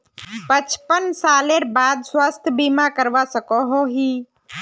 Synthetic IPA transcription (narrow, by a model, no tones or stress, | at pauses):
pət͡ʃpənsaːleɾbaːd̪swaːst̪ʰəbimãkəɾʋasəkoɦoɦiː